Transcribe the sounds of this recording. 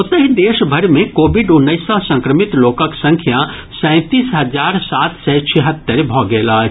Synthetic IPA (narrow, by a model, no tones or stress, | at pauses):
ʊt̪əɦid̪eːʃbʱəɾmẽkoːbiɖʊnːəɪsãsə̃ŋkɾəmɪt̪loːkəksə̃ŋkʰja | sɛ̃t̪iːsɦəd͡ʒaːɾsaːt̪sɛt͡ʃʰɛɦət̪ːəɾbʱɔːɡɛlaː